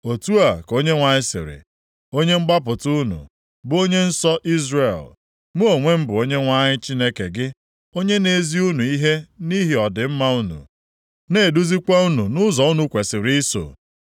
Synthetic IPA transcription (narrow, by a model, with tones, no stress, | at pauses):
o˨tu˦a˨ko˦ɲe˦ŋʷa˨ɲɪ˦sɪ̰˨ɾɪ̰˨ | o˦ɲe˦ŋ͡m̩˦ɡ͡ba˦p̬ʊ˨tʊ˦nṵ˨ | bʊ˦o˦ɲe˦n̩˦sɔ˦ʔi˦zre˨l | mu˦o˨ŋʷe˦m̩˦bʊ˨o˦ɲe˦ŋʷa˦ɲɪ˦t͡ʃi˦ne˦ke˨ɡɪ˦ | o˦ɲe˦ne˨zi˦u˦nu˨i˦ɦe˦ni˦ɦi˨ɔ˨dɪ˨m̩˦ma˦u˦nṵ˨ | ne˦˨du˦zi˦kʷa˦u˦nu˨nʊ˦zɔ˨u˦nu˦kʷe˨sɪ˨ɾi˦so̰˨